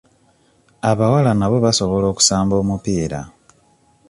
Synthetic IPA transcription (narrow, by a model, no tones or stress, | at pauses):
aβawalanaβo̞βaso̞βo̞lo̞ːku̥saːmbo̞ːmupiːɾa̰